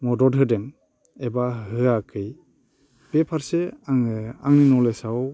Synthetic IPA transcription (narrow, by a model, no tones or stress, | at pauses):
mɔdɔdɦɯdɛŋ | ebahɯakʰɯj | b̥epʰaɾseaŋa̰ŋninɔlesaw